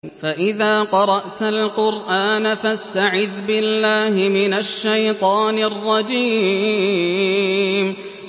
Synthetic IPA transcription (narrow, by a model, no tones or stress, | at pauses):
faʔɪðaːqɑɾˤɑʔt̪alqʊɾʔaːnafast̪aʕɪðbɪlːaːhɪmɪnaʃːajt̪ˤɑːnɪrˤːɑd͡ʒiː | m